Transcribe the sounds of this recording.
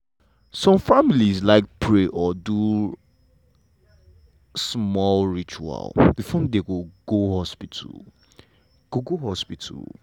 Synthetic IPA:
sɔ̃mfamilizlaɪk̚pʰɹeʔɔdu | smɔlɹit͡ʃua̰lˠbifɔn̩deɡoɡ̥ohɔspitʰṵl | ɡ̥oɡoɦɔspitʰṵl

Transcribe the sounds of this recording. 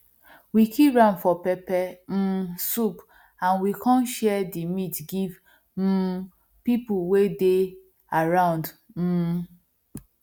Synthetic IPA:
wikʰiɹãʊ̃ndfɔpɛpɛm̩sup | ãnwikʰɔ̃nʃɛdimitɡiv̩ | pipuwede | aɹãʊ̃nd | m̩

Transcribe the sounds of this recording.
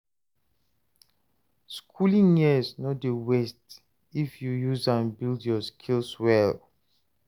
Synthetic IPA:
skʰulĩŋjisnɔtdewɛst | ifjujuzãnbildjɔskʰilswɛl

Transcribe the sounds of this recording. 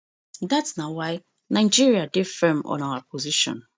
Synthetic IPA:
datsnawaɪ | nãɪd͡ʒiɹiadefɛmɔ̰̃nawapʰoziʃɔ̰̃n

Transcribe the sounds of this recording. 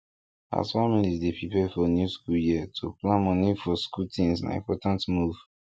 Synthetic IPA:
a̰sfamilizdipʰipefɔnjuskuljiətʰuplãnmɔ̃nifɔskutʰĩnsna̰ḭ̃mpɔtãntmuv̥

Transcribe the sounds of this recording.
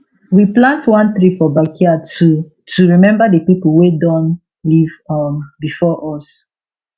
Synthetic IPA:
wiplãntwãnθɹifɔbakiatu | tʰuɹimɛ̃mbadəpipulwedɔ̃n | livɔmbifɔʔɔs

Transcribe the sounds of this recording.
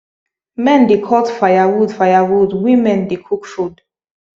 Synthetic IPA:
mɛ̃ndekʰɔtfajawudfajawudwĩmɛ̃ndekʰukfud

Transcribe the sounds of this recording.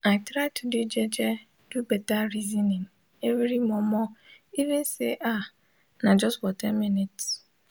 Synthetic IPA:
aɪtɾajtʰuded͡ʒɛd͡ʒɛ | d̥ubɛtaɾizinĩŋ | evɾimɔmɔivĩnseʔa | nãd͡ʒɔstfɔtʰɛ̃nminits

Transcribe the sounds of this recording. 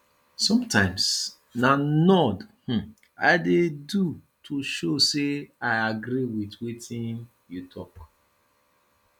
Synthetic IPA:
sɔ̃mtãɪ̃ms | nanɔdh̩ | a̰ɪdedu | tʰoʃoseaɪaɡɾiwitwetʰĩn | jutʰɔk

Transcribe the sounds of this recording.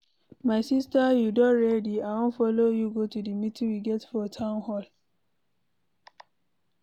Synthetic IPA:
maɪsistajudɔ̃nɹɛdiawõnfɔlojuɡotudimitĩwiɡɛtfɔtʰãʊ̃nhɔl

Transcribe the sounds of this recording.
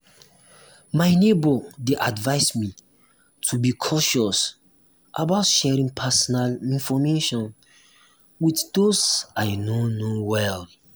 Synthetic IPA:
maɪnebɔdeʔadvaɪsmi | tʰubikʰɔʃɔs | ʔa̰baʊtʃɛɹĩŋpʰɛsɔnalĩnfɔmeʃɔ̃n | witdosaɪnõnowɛl

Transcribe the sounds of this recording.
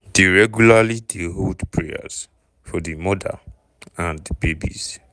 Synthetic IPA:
d̥eɹɛɡjulalideɦodpʰɹeja̰z | fɔdimɔda̰ | ãndbebḭz

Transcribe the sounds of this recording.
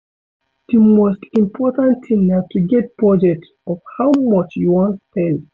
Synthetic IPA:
d̥əmostĩmpʰɔtãntʰĩŋnatuɡɛt̚pɹɔd͡ʒɛk̚t | ɔv̥hawmɔt͡ʃjuwɔ̃ntpɛ̃n

